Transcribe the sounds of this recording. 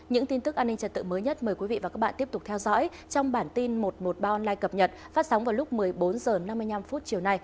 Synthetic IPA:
ɲɨ̰˧˥ŋt̪i˧nt̪ɨ˦˥k̚aː˧nːi˧ŋt͡ɕə˨˩t̚t̪ɨ̰˧˨məː˨˦jɲə˦˥t̚məː˨˩jkwi˨˦vḭ˧˨vaː˨˩kaː˦˥k̚ɓ̰ːt̪ət̪k͡p̚t̪ʰɛ˧wzɔ̰˧˥j | t͡ɕɔ˧wŋ͡mɓaː˧˩nt̪i˧nmo˨˩t̚mo˨˩t̚ɓaː˧ʔɔ˧nlaː˧jkə˨˩p̚ɲə˨˩t̚fa˦˥t̚sa˨˦wŋ͡mvaː˨˩wlʊ˦˥k͡p̚mɨ˨˩əjɓo˨˦nzəː˨˩na˧mːɨ˧əjna˧mfu˦˥t̚t͡ɕi˨˩əwna˧j

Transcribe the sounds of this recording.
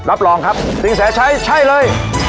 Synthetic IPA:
ɾa˦˥p̚lɔː˧ŋkʰa˦˥p̚t̪i˧ŋsɛː˩˦t͡ɕʰa˦˥jt͡ɕʰa˥˩jlɤː˧j

